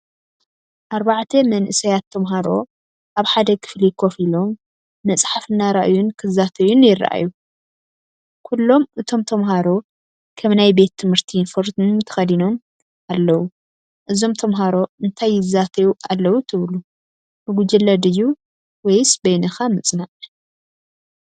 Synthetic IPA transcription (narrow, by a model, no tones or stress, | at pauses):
ʔaɾbaʕt̪ʰemɐnʔɨsɐjat̪ʰːɐmɦaɾo̞ | ʔaβħad̪ɐkʰɨ̥flikʰo̞filo̞mː | ɐt͡sʼħafɨnːaɾaʔjunkʰɨzːat̪ʰɐjunjɪr̰ːʔa̰ju | kʰulːo̞mʔɨt̪ʰo̞mt̪ʰɐmɦaɾo̞ | kʰɐβnajbe̞t̪ʰːɨmhɨɾt̪ʰinfoɾt̪mt̪ʰɐ̥xɐd̪ino̞m | alːɐwu | ʔɨzo̞mt̪ʰɐmɦaɾo̞ɨnt̪ʰajːɪzːat̪ʰɐjuʔalːɐwut̪ʰɨβlu | bɨɡud͡ʒɐlɐd̪ɨjːu | wɐjsbɐjnɐxamɨt͡sʼnaʔ